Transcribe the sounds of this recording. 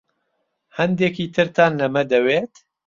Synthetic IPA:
hɐnd̪eːkit̪ʰɨɾt̪ʰaːnlɐmɐd̪ɐweːt̪

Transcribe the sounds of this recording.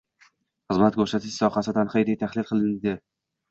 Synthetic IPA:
χɨzmat̪̚kʲʰoʃat̪ʰɪʃsɒχasɪd̪anχejɾet̪ʰaχlɪlˠqʰɨlˠɪnd̪ɪ

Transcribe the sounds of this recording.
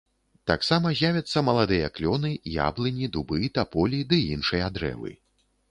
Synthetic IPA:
t̪a̰ksamɐzʲjavʲɐt̪sːɐmɐlˠad̪ɨjɐklʲɔnɨja̰blʲˠɨnʲid̪ubɨt̪apɔlʲid̪ɨinʂɨjɐad̪ɾɛ̰vɨ̰

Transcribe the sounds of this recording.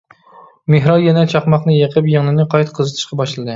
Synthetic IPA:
meɦɾɑjɛnɛt͡ʃʰɑχmɑχnɨjeqʰɨpjɨŋnɨnɨqʰɑjt̪qʰəzɨt̪ʰɨ̥ʃqɑbɑʃlˠɨd̪ɨ

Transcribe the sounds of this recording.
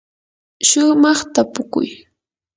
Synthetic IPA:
ʃʊmɑχt̪apʊkʊ̰j

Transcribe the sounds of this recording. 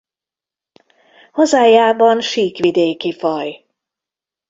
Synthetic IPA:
hɔzaːjaːbɒnʃiːkʋid̪eːkifɒj

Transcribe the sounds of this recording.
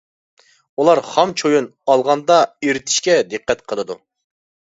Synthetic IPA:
ulˠɑɾχɑmt͡ʃʰojunɑlˠʁɑnd̪ɑeɾɪt̪ʰi̥ʃkʲɛd̪ɨqːɛt̪qʰəlˠɨd̪u

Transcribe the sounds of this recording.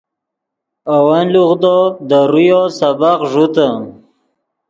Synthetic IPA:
awanluɣd̪od̪əɾujosabaqʐut̪ə

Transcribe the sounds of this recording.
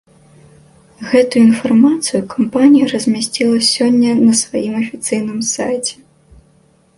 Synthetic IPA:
ɣɛt̪ujuinfarmat̪sɨjukampanʲijɐrɐzʲmʲasʲt͡sʲilˠɐsʲɔnʲːɐnɐsvajimɐfʲit̪sɨjn̪ɨmsa̰jt͡sʲɛ̥

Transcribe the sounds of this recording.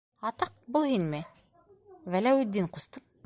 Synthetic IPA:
ɑt̪ɑq̚bulˠhinmɘ | vælæwʉd̪ːinqʊst̪ɤm

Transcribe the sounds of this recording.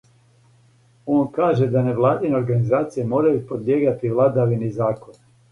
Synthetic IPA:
oːnkaːʒe̞d̪ane̞ʋlˠaːd̪ineo̞ɾɡanizaːt̪sijemo̞ːɾajupod̪jeːɡat̪iʋlˠad̪aʋinizaːko̞n

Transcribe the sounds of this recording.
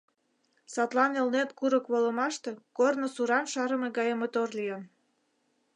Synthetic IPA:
sɑt̪lɑnelnet̪kuɾəkβolə̆mɑʃt̪e̽kornosuɾɑnʃɑɾə̆meɡɑjəmot̪orlijən

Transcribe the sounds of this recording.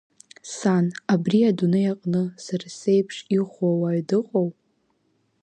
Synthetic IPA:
sanabriadunɨjaqʼnɨsarasejpʰʂiχʷawaɥdɨqʼow

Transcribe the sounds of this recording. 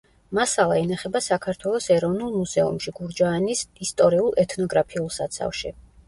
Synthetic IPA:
masalˠaɛnaχɛbasakʰaɾt̪ʰwɛlˠɔsɛɾɔvnulˠmuzɛṵmʃiɡuɾd͡ʒaːnisist̪ʼɔɾiulˠʔɛt̪ʰnɔɡɾapʰiulˠsat̪sʰa̰fʃi

